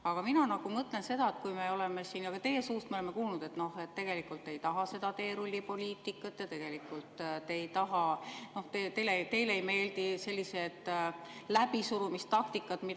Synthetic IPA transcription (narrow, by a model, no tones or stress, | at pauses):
ɑɡ̥ɑminɑnɑɡ̥umɤt̪ˑle̞nse̞d̪ɑet̪kujme̞o̞leme̞siːnjɑɡ̥ɑt̪e̞jesuːst̪meoemːe̞kuːlnud̪̥e̞t̪ːno̞he̞t̪ːe̞ɡ̥e̞likːˑult̪ːˑe̞jt̪ɑɦɑse̞d̪ɑt̪e̞ːɾulʲːipo̞lʲiːt̪ːˑikːˑɑt̪ːˑjɑt̪e̞ɡ̥e̞likːˑult̪ˑt̪ːe̞jt̪ɑɦɑno̞ht̪et̪ejlet̪e̞jleejme̞ːld̪ise̞lʲːise̞d̪̥læb̥isuɾumist̪ɑk̚t̪ikːˑɑd̪̥mi